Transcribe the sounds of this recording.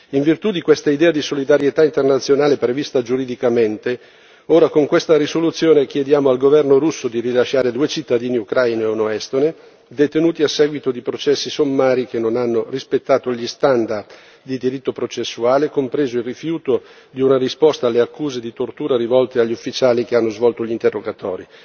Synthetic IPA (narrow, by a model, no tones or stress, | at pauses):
iɱvirt̪ud̪ikwest̪aid̪ɛːad̪isolid̪aɾjet̪aint̪ernat̪sːjonaːlepɾevist̪ad͡ʒuɾid̪ikament̪e | oːɾakoŋkwest̪aɾisolut̪sːjoːnek̟jed̪jaːmoalɡovɛrnoɾusːod̪iɾilaʃːaːɾed̪uːet͡ʃit̪ːad̪iːniukɾajnoeunoɛst̪one | d̪et̪enuːt̪iasːɛːɡwit̪od̪ipɾot͡ʃɛsːisomːaːɾik̟enːonanːorispet̪ːaːt̪oʎist̪and̪ard̪ | d̪id̪iɾit̪ːopɾot͡ʃesːuaːlekompɾeːzoilrifjuːt̪o | d̪iunarispɔst̪aːlːeakːuːzed̪it̪ort̪uːɾaɾivɔlt̪eaʎːufːit͡ʃaːlik̟eanːozvɔlt̪oʎint̪erːoɡat̪ɔ̰ːɾi